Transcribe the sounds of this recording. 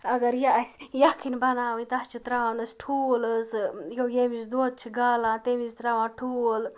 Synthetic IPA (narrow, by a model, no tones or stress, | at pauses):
ɐɡɐɾjaɐsʲjakʰinbɐnaːʋɨnʲt̪ɐht͡ʃʰit̪ɾaanɐsʈʰuːləsjojemisd̪oːt̪̚t͡ʃʰiɡaːlãːt̪emizt̪ɾaːʋãːʈʰuːl